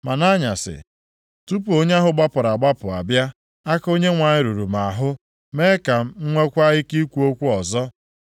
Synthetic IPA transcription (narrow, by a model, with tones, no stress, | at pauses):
ma˨na˦ɲa˨sɪ̰˨ | tu˦pu˨o˦ɲ˦a˦ɦʊ˦ɡ͡ba˦pʊ˨ɾa˨ɡ͡ba˦pʊ˨a˨bja˦ | a˦ko˦ɲe˦ŋʷa˨ɲɪ˦ɾu˨ɾu˨ma˨ɦʊ˦ | me˦ka˨m̩˦ŋ͡m̩˦ŋʷe˦kʷa˦ɣɪ˦ki˦kʷu˦o˦kʷu˦ɔ˨zɔ˦